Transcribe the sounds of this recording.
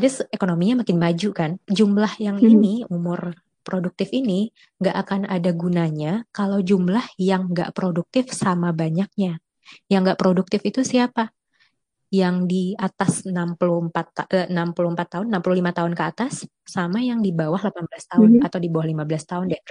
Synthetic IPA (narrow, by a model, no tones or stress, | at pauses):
dɪsekonomiɲamakɪnmad͡ʒukand͡ʒumlahjaŋiniumʊr | pɾoduk̚t̪ɪfini | ŋɡaʔakanadaɡunaɲakalawd͡ʒumlahjaŋɡa̰ʔpɾoduk̚t̪ɪfsamabaɲak̚ɲa | jaŋɡaʔpɾoduk̚t̪ɪfit̪usiapa | jaŋdiat̪asnampuluhmpat̪nampuluhəmpat̪ːaɦʊnːampuluhlimat̪aʊnkəat̪asː | amajaŋdibawahlapanbəlast̪aʊnat̪awdibawahlimabəlast̪aʊnda